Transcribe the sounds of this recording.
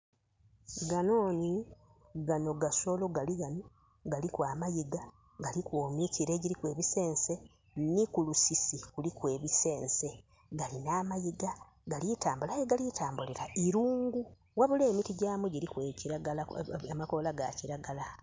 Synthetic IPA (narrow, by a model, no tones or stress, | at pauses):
ɡano̞ːni | ɡano̞ɡaso̞lo̞ɡaliɡano | ɡalikwaːmajiɡa | ɡalikwoːmiciɾe̞ɟiɾikwe̞ːβise̞ːnse̞ | nikulusisikulikwe̞ːβise̞ːnse̞ | ɡalinaːmajiɡa | ɡalitaːmbulajeɡalitaːmbuleɾaiɾuːŋɡu | waβule̞ːmitiɟaːmuɟiɾikweciɾaɡalaamakolaɡa̰ciɾaɡala